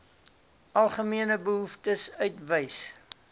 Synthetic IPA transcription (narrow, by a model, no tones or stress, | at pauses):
ɐlˠχəmiənəbəɦuftəsœɥtvəjs